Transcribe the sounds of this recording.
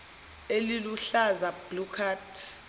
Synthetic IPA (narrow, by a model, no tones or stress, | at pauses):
eliluɬazab̥lukʰatʰ